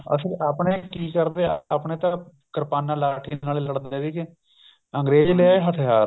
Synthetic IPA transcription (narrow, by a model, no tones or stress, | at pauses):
ə̰səɾaːpɳeːkiːkəɾd̪eːaːpɳeːt̪ãː | kəɾpaːnãːlaːʈʰiːnaːleːləɽd̪eːdiːke | əŋɡɾeːd͡ʒlɪaːeːɦət̪ʰɦaːɾ